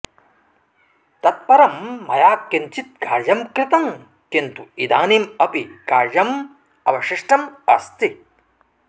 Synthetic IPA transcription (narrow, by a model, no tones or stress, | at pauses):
t̪ɐt̪̚pɐɾɐmːɐjaːkːiɲt͡ʃit̪̚kaːɾd͡ʒɐmkɾɪt̪ɐŋ | kint̪uid̪aːnimɐpikaːɾd͡ʒɐm | ɐʋɐʃiʂʈɐmɐ̰st̪i